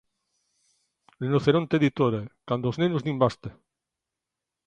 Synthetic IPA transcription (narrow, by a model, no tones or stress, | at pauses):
lenoθeɾont̪eðit̪oɾekand̪oznenuznimbast̪e